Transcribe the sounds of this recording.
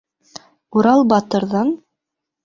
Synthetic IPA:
uɾɑlˠbɑt̪ɤ̆ɾðɑn

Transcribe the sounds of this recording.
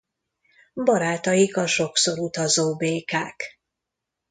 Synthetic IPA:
bɒɾaːt̪ɒjikɒʃo̞kso̞ɾut̪ɒzoːbeːkaːk

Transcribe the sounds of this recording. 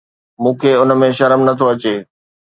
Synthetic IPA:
mũːkʰeʊn̆mẽʃɐɾmnɐt̪ʰoɐt͡ɕeː

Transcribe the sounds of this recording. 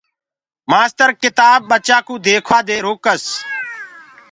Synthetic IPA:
maːst̪əɾkɪt̪aːb̚ɓət͡ʃaːkũːd̪eːkʰʋaːd̪eːɾoːkəs

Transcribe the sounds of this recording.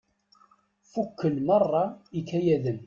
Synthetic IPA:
fukːəlmɑrˤːɑikːæjæðən

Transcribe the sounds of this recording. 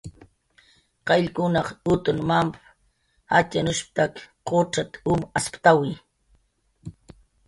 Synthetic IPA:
qɑʎkʊnɑχʊt̪ʊnmamp | hat͡ʃanʊʃp̚t̪akqoʈ͡ʂat̪ʊmaspt̪awij

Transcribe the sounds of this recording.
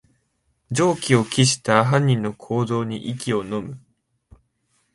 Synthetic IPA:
d͡ʑo̞ːkʲio̞kʲiɕi̥t̪aɦãɲ̟ːĩnːo̞kʰo̞ːd̪o̞ːɲ̟ḭʔikʲio̞no̞mɯ̟

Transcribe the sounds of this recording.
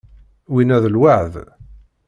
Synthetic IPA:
winæðlwaʕð

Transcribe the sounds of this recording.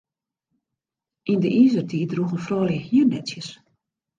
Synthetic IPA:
ʔindəʔiːzərtʰiːdruɣənfrɔːljəhjiərnɛsjəs

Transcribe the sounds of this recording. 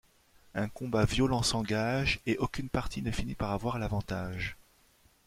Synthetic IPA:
ɛ̃kɔ̃bavjɔlɑ̃sɑ̃ɡaʒeʔokʲynpaʁt̪ʰinəfinipaʁavwaʁalavɑ̃t̪aʒ

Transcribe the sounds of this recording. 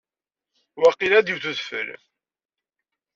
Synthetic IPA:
wæqːilæd̪iwθuðfə̰l

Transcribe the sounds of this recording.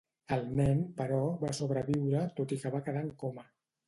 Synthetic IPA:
əlˠnɛnpəɾɔβasoβɾəβiwɾət̪ot̪ikəβakəðaŋkomə

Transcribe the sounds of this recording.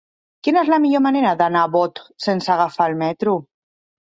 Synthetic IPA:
kinezlamiʎomaneɾaðanaβot̪sensaɣ̞afalmɛt̪ɾu

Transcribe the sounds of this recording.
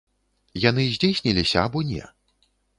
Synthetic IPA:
jan̪ɨzʲd͡zʲejsʲnʲilʲisʲɐabɔnʲɛ̰

